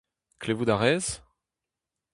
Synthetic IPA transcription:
klevud̪aʁɛz̥

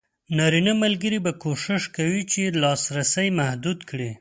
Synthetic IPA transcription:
nɑɾinamalɡəɾibakoʃɪʃkawit͡ʃelɑsɾasəjmahd̪ud̪kɽi

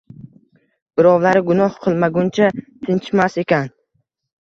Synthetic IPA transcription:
b̥ɪɾɒwlaɾɪɡʊnɒhqʰɨlˠmaɡʊnt͡ʃʰat̪ʰɪnt͡ʃmase̞kʲʰan

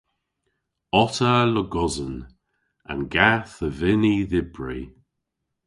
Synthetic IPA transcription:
ɔtələɡɔzən | ə̰nɡaθəvɪniðɪbɹi

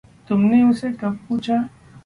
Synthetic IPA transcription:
t̪ʊmneʊsekɐb̚puːt͡ʃʰa

